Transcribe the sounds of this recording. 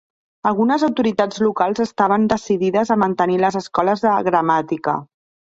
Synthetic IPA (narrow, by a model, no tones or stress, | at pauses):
əlˠɣunəzɐwt̪uɾit̪ad͡zlukalˠzəst̪aβ̞ənd̪əsiðiðəzəmənt̪əniləzəskɔləzðəɣɾəmat̪ikə̰